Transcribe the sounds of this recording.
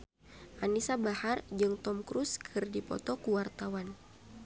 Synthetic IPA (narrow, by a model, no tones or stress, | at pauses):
ʔanisabahard͡ʒɨŋt̪ɔmkɾuskʰɨrdipɔ̰t̪ɔkuwart̪awan